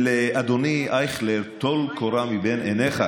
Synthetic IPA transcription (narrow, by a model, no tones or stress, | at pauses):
lead̪oniʔajχlet̪olkʰoɾamibenʔeneχa